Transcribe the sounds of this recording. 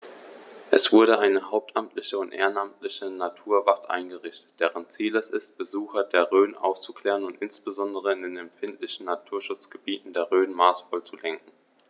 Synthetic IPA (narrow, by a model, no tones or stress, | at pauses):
ʔɛsv̥ʊɐɾəʔaɪnəɦaʊp̚tʰʔamtʰlɪçəʊntʔḛːʁənʔamtʰlɪçənatʰuːɐvaftʔa̰ɪnɡəʁɪçtə̥t̚d̥ɛːʁənt͡siːlɛsɪst̚b̥əzuːxɐdeːɐʁøːnʔa̰ʊft͡su̥kl̥ɛːʁənʊntʔɪnsb̥əzɔndəʁ̞əɪndeːnɛmfɪntʰlɪçn̩natʰuːɐʃʊt͡sɡ̥əbiːtn̩deːɐʁøːnmaːsfɔlt͡sulɛŋkŋ̩